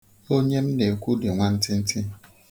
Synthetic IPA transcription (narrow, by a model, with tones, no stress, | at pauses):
o˦ɲe˦m̩˦de˨kʷu˦de˨ŋʷa˦n̩˦tɪ˦n̩˦tʰɪ˦